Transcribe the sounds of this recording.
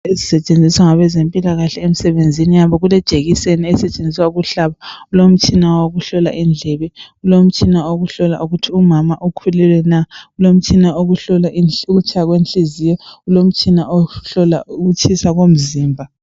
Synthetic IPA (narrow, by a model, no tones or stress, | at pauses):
ezisɛt͡ʃʼend͡zʱiswaŋaβɛzempʼilaɣaɬɛem̩sɛβend͡zʱinijaβɔɣulɛd̥ʒ̥ʱeɣiseniɛsɛt͡ʃʼend͡zʱiswaɣuɬaβaulom̩t͡ʃʰʼinaoɣuɬɔla̰ʔind͡ɮʱɛβɛulom̩t͡ʃʼʰinaoɣuɬɔla̰ʔuɣutʰiumamaʔukʰulɛlwɛnaulom̩t͡ʃʰʼinaoɣuɬɔlaʔiuɣut͡ʃʰajaɣwenɬizijɔulom̩t͡ʃʰʼinaoɬɔla̰uɣut͡ʃʰisaɣom̩ziːmbʱa